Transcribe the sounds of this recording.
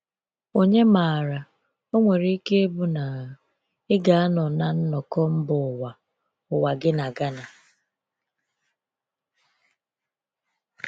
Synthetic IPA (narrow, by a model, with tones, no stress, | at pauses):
o˨ɲe˦maː˨ɾa˨ | o˦ŋʷe˨ɾe˦i˦ke˦e˦bu˦na˨ | ɪ˦ɡa˨a˦nɔ˨na˦n̩˦nɔ˨kɔ˦m̩˦bʊ˨wa˨ | ʊ˨wa˨ɡɪ˦na˨ɡa˦na˨